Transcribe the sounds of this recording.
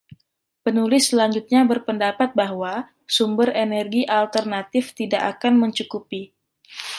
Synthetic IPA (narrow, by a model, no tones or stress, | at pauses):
pənulɪslaɲd͡ʒut̪̚ɲabərpəndapat̪̚baɦwa | sumbərenɛrɡiʔalt̪ərnat̪ɪft̪idaʔakanməɲt͡ʃukupi